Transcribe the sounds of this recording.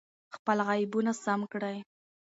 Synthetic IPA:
xpəlɣajɪbunasamkɽaj

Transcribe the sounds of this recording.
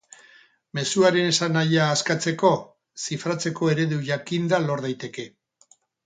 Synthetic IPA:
me̞suaɾe̞nesanajaːskat͡se̞ko̞ | sifɾat͡se̞ko̞e̞ɾe̞ðuʝakind̪alo̞ɾðajt̪e̞ke̞

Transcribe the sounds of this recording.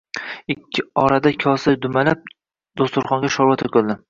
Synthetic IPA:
ɪkʲʰːɪɒɾad̪akʲʰɒsajd̪ʊmalap̚ | d̪ost̪ʊɾχɒŋɡʲaʃɒɾvat̪ʰɵkʲɵlˠd̪ɪ

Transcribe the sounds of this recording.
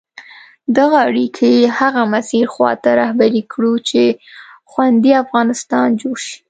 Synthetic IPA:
d̪aɣaaɽikʰejehaɣamasiɾxwɑ̰t̪aɾɑhbaɾikʰɽut͡ʃexwand̪iafɣɑnɪst̪ɑnd͡ʒoɽʃi̥

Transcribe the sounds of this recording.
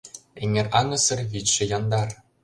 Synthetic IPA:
eŋʲerɑŋɤ̆sɤ̆rβʲitʲʃɘ̆jɑnd̪ɑr

